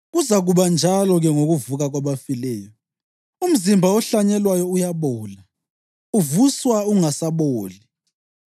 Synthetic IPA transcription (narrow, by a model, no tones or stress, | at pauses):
ɣuzaɣuβand͡ʒʱalɔɣɛŋoɣuvuɣaɣwaβafilɛːjɔ | um̩zimbʱaɔɬaɲɛlwajɔujaβɔːla | uvuswauŋasaβoːli